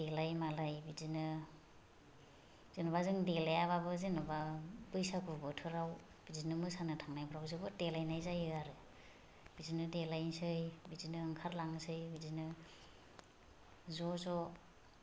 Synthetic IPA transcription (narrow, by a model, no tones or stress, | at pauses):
d̥elajmalajbizinɯ | zenɔβazɯŋdelajaβabɯzenɔbabɯjsakubɯtʰɯɾaw | b̥idinɯmɯsanɯtʰaŋnajbɯɾawzɯbɯdelajnajzajɯaɾɯ | b̥izinɯdelajnsɯjbizinɯɯŋkʰaɾlaŋsɯjbizinɯ | zɔzɔ